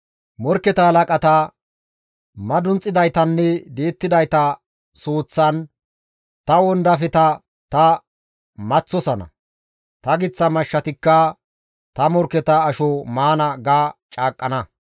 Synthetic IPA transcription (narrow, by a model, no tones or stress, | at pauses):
mɔɾkːɛt̪ɐhɐlɐkʼɐt̪ɐ | mɐd̪ʊnt͡sʼːɪd̪ɐjt̪ɐnːɛd̪eːt̪ːɪd̪ɐjt̪ɐ | soːt͡sːɐn | t̪ɐwɔnd̪ɐfɛt̪ɐ | t̪ɐ | mɐt͡sːɔsɐnɐ̰ | t̪ɐɡɪt͡sːɐmɐʃːɐt̪ɪkːɐ | t̪ɐmɔɾkɛt̪ɐːʃɔmaːnɐɡaːt͡ʃʼaːkʼːɐnɐ